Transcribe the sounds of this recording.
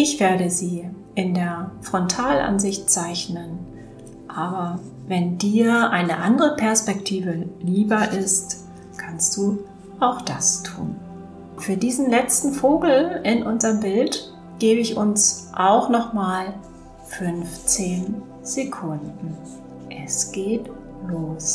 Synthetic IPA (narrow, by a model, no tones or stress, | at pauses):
ʔɪçv̥eːɐɾəziː | ʔɪndeːɐfʁ̥ɔntʰaːlʔa̰nzɪçtt͡saɪçnən | ʔaːbɐ | vɛndiːɐʔaɪnəʔandəʁəpʰɛɐspɛktʰiːvəliːbɐʔɪst | kʰanst̚d̥uː | ʔaʊxd̥astʰṵːn | fyːɐdiːzn̩lɛt͡stn̩foːɡl̩ɪnʔʊnzɐʁəmbɪlt | ɡ̥eːbəɪçʔʊnsʔaʊxnɔχmaːl | fʏnft͡seːn | z̥ekʰʊndn̩ | ʔɛsɡ̥eːt | loːs